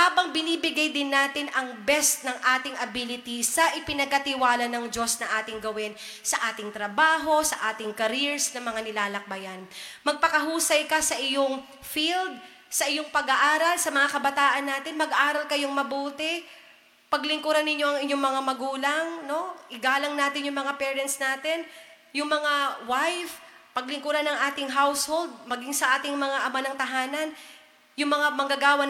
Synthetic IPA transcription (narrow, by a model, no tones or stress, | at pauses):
haːbɐŋbɪniːbɪɡajd̪ɪnːaːt̪ɪnɐŋbɛst̪̚nɐŋʔaːt̪ɪŋʔɐbilɪt̪isɐʔɪpɪnɐɡ̚kɐt̪ɪwaːlɐnɐŋd͡ʒo̞snɐʔaːt̪ɪŋɡɐwɛn | sɐʔaːt̪ɪŋt̪ɾɐbaːɦo̞sɐʔaːt̪ɪŋkɐɾiɹsnɐmɐŋanɪlaːlɐk̚bɐjanmɐɡ̚pɐkɐɦuːsɐjkɐsɐʔɪjoŋ | fild̪̚ | sɐʔɪjo̞ŋpɐɡaʔaːɾɐlsɐmɐŋakɐbɐt̪aːʔɐnːaːt̪ɪnmɐɡʔaːɾɐlkɐjoŋmɐbuːt̪ɪ | pɐɡlɪŋkuɾanːɪɲːoʔɐŋɪɲoŋmɐŋamɐɡuːlɐŋno̞ʔɪɡaːlɐŋnaːt̪ɪnjʊŋmɐŋapɛːɹɛnt̪snaːt̪ɪn | jʊŋmɐŋawajfpɐɡ̚lɪŋkuɾanɐŋʔaːt̪ɪŋɦawsho̞ld̪̚mɐɡiŋsɐʔaːt̪ɪŋmɐŋaʔɐmanɐŋt̪ɐɦaːnɐn | jʊŋmɐŋamɐŋɡaɡaːwɐ